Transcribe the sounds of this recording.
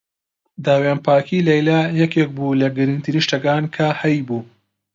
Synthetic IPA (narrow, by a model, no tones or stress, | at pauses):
d̪aːweːnpaːkiːlɐjlaːjɛkeːk̚bulɐɡɨɾɨnt̪ʰiniʃtɐkaːnkʰɐhɐjbuː